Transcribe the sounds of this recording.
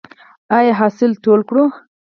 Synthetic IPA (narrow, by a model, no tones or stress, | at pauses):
ɑjɑɦɑsɪlt̪olkɽu